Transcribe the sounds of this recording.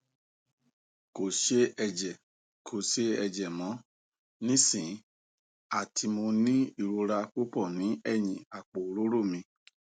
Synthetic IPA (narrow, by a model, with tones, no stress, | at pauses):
ko˨ʃe˦ɛ˧d͡ʒɛ˨ | kʰo˨ʃe˦ɛ˧d͡ʒɛ˨mɔ̃˨˦ | nĩ˦sĩ˨˦ | a˦˨tʰi˧mõ˧nĩ˦i˦˨ɾo˧ɾa˧k͡po˦pɔ˦˨nĩ˨˦ɛ˦˨jĩ˨a˨k͡po˨˦ɾo˦ɾo˦˨mĩ˧